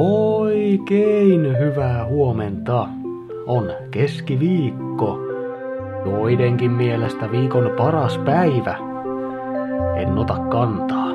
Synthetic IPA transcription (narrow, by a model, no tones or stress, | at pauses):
oikeinhyʋæːhuoment̪ɑ | ʔon | keskiʋiːkːo | joideŋkimmielest̪æʋiːkonpɑrɑspæiʋæ | enːot̪ɑkkɑnt̪ɑ̥ː